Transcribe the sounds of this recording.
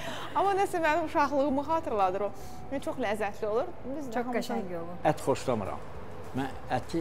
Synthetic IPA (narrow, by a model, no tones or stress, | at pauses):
ɑmːɑnæsæmænimuʃɑχlˠɯɣɯmɯχɑːt̪ʰɯɾlˠɑd̪ɯɾo | it͡ʃʰo̞χlæzːæt̪ʰlio̞lˠuɾ | bizt͡ʃʰoɡæʃijolˠuæt̪χo̞ʃlˠɑmɯ̰ɾɑ̰m | mæn | æt̪ʰi